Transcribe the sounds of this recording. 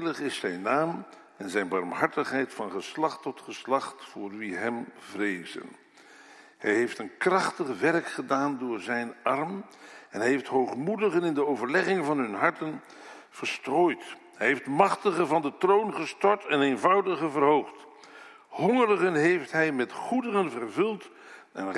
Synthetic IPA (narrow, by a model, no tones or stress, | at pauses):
ləχɪsɛjnːaːm | ɛnzɛjnbɑɹmɦɑɹtəχɦɛjtfɑnχəslɑχtɔtχəslɑχtfʊːɹʋiɦɛmvrejzə̰n | hɛ̰jɦejftənkrɑχtəχʋɛrkχədaːndʊːɹzɛjnɑrm | ɛnɦɦeftɦowχmudəχənɪndəowvəɹlɛχɪŋvɑnɦɵnɦɑɹtən | v̥ərstroːjt | hɛjɦejftmɑχtəχəvɑndətrownχəstɔɹtɛnejnvɑwdəχəvərɦowχt | hɔŋərəχənɦejftɦɛjmɛtχudərənvərvɵlˠt | ɛ̰n